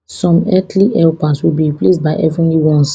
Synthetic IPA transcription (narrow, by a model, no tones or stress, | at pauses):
sɔ̃mɛtʰliʔɛlpaswilbiɹiples̚baɪʔɛvɹĩliwɔ̃ns